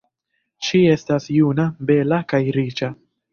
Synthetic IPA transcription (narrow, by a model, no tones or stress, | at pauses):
ʃie̞stasjunabe̞lakajɾit͡ʃa